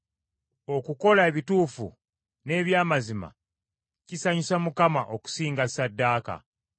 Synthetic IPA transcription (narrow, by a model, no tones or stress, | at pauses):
o̞kuko̞laeβituːfṵ | ne̞ːβjaːmazima̰ | cisaɲisamukamaʔo̞ku̥siːŋɡasadːaːka̰